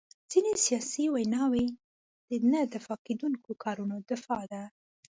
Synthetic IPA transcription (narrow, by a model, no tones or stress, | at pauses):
d͡z̥inesijɑsiwajnɑwe | d̪̥ənəd̪ɪfɑked̪uŋkokʰɑɾunod̪ɪfɑd̪a